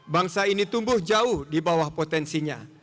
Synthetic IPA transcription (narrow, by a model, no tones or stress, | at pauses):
baŋsainit̪umbʊhd͡ʒaʊhdibawahpot̪ɛnsiɲa